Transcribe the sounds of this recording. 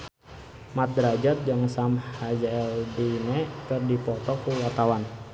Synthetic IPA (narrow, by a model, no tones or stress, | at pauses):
mat̪̚dɾad͡ʒat̪̚d͡ʒaŋsamhad͡ʒaɛldinɛkɨrdipɔt̪ɔkuwat̪awan